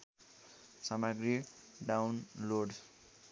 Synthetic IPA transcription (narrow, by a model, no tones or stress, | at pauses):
sʌmaɡɾi | ɖawnloɖ